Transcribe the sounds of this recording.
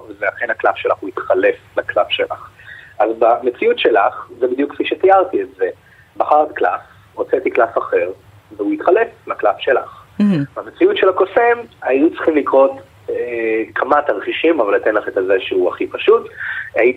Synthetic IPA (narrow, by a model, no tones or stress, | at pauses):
vzeaχenaklafʃelaχuit̪χale̞flaklafʃe̞la̰χazbamet͡siutʃelaχzebid̪jukfiʃet̪ijaʁt̪ietze | baχaʁtklaf | ʁot͡set̪iklafaχe̞ʁ | veuit̪χale̞flaklafʃe̞la̰χbamet͡siutʃelakosemajut͡sʁ̥χimlikʁo̞t | ekʰamat̪aʁχiʃimavalːat̪enlaχet̪azeʃeuaχipaʃutaji